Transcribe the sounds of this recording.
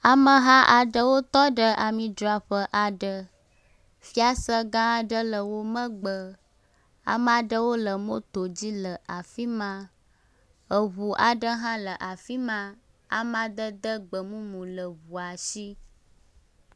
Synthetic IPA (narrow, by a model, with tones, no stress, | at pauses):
a˨mə˦ɦã˦ʔa˨ɖə˦wo˦t̪ɔ˦ɖə˦ʔa˨mĩ˨dɾa˨ɸə˦ʔa˨ɖə˦ | fi˦a˦sə˦ɡã˦˨ɖə˦lə˨wo˦mə̃˦ɡ͡bə˨ | a̰˨ma˨ɖə˦wo˦lə˨mõ˦t̪o˨d͡ʑi˦lə˨ʔa˨fi˦mã˦ | ə˨βu˨ʔa˨ɖə˦ɦã˦lə˨ʔa˨fi˦mã˦ | a̰˨ma˨d̪ə˦d̪ə˦ɡ͡bə˨mũ˦mũ˨lə˨βu˨a˨si˦